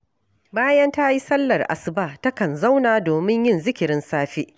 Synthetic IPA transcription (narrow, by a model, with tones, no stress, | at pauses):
baː˦jɐ˦nta˦ji˦sɐ˦lːɐ˨rʔa̰˨sɪ˨baː˦˨tɐ˦kɐ˨nza˦wnaː˨doː˨mɪ˦ɲjɪ˦˨nzɪ˦kʲɪ˨ɾɪ˦nsaː˦ɸiː˦ʔ